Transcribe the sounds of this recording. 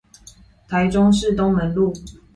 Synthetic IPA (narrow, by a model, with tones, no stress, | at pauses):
t̪ʰa˨˦ɪʈ͡ʂʊ˦ŋʂɻ̩˥˨t̪ʊ˦ŋmə˨˦nlu˥˨